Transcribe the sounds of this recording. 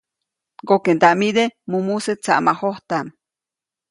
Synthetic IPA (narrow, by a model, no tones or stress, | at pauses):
ɡokend̪aʔmid̪emumuset͡sa̰ʔmahoht̪am